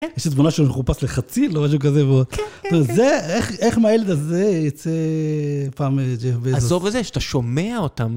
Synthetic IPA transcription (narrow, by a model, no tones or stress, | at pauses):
jeʃtet̪munaʃemeχupasleχat͡silomaʃ̬uk̬azeveod̪ozeeχeχmajeled̪azejat͡se | paːmed͡ʒehoveazzovezeʃataʃomeaot̪am